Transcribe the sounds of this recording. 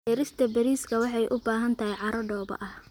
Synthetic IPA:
ɛːɾɪst̪ʰɐbɐɾiːskʰɐwɑħɑjʔʊbaːɦɐnt̪ʰɐhɛjʕɑɾɐɖɔːbɐ̰ʔɐh

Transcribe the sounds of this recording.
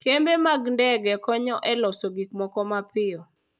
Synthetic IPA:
kembemaɡndɛɡɛkɔɲɔʔɛlɔsoɡikmɔkɔmapɪɔ

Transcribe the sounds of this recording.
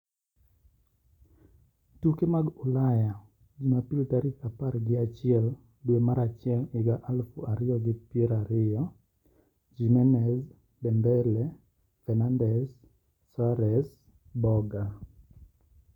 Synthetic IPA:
tukemaɡʊlaja | d͡ʒimapiltaɾikapaɾɡɪat͡ʃɪɛl | dwemaɾat͡ʃɪɛlɪɡaʔalfuaɾɪjɔɡɪpjɛɾaɾɪjɔ | d͡ʒimɛnɛz | bɛmbɛlɛ | fɛnandɛsː | aɾɛs | bɔɡa

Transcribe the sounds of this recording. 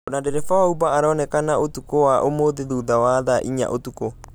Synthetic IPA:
nadɛɾɛfawaubaːɾɔnɛkanaotukowaʔomoðeðuːðawaðaʔiɲa̰ʔotuko

